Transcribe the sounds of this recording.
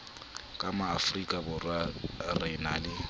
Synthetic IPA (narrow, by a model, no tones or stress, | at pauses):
kʼamaːfrikʼabʊrwarɪnalɪ